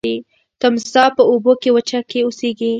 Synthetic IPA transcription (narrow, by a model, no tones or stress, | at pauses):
i | t̪amsɑpəobokewət͡ʃakeoseɡi